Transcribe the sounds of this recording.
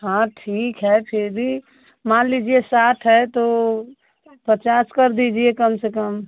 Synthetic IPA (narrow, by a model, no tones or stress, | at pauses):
ɦãʈʰiːkɦɛpʰɪɾbʱi | mãːnliːd͡ʒiesaːʈʰɦɛt̪o | pət͡ʃaːskɐɾd̪iːd͡ʒiekəmsekəm